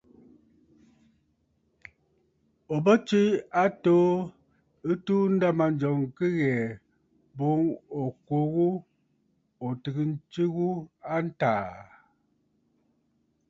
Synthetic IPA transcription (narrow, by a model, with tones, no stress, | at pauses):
o˨bə˦t͡ʃi˦a˦toː˦ | ɨ˦tuː˦n̩˦da˦ma˨n˦d͡ʒɔ˨ŋ˨kɨ˦ɣɛ˨ | bo˨˦ŋo˨ko˨˦ɣu˦ | o˨tɨ˨ɡɨ˦n̩˦t͡ʃi˦ɣu˦a˦n̩˦taː˨